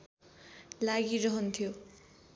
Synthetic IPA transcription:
laɡiɾʌɦʌnt̪ʰjo

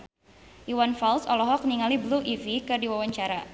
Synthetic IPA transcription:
ʔiwanfalsɔlɔɦɔk̚niŋalibluʔivikɨrdiwawaɲt͡ʃaɾa

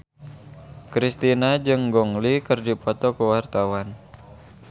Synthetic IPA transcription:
kɾist̪inad͡ʒɨŋɡɔŋlikərdipɔt̪ɔkəwart̪awan

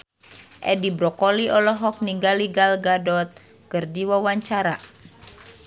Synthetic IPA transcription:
ʔɛdibɾɔkɔliɔlɔɦɔk̚niŋɡaliɡalɡadɔt̪̚ | kɨrdiwawaɲt͡ʃaɾa

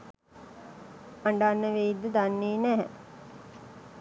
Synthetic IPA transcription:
aɳɖaːnːəʋeid̪ːəd̪anːiːnæɦɛ̰

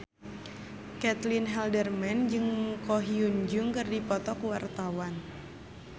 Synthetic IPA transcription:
kɛt̪linɦɛldərmɛnd͡ʒɨŋkɔɦiund͡ʒuŋkɨrdipɔt̪ɔkwart̪awan

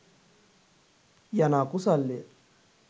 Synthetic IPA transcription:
janakusalːe

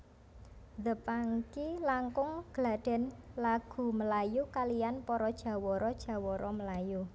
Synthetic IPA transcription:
ðəpaŋkilaŋkʊŋɡ̥əlaɖ̥ɛ̤nlaɡ̥ṳməlajukalijanpɔɾɔd̥ʒ̥ä̤wɔɾɔd̥ʒ̥a̤wɔɾʔɔməlaju

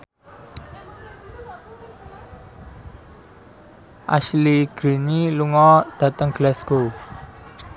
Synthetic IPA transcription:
ʔa̰sliɡ̥ɾiniluŋɔd̪̥ä̤t̪əŋɡ̥lɛsɡ̥o

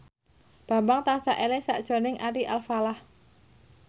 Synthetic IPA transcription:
b̥a̤mbaŋt̪aŋsaʔelɛsa̰ʔd̥ʒ̥o̤nɪŋʔaɾiʔalfalah

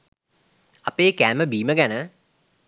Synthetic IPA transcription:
ɐpeːkæːməbiːməɡænə

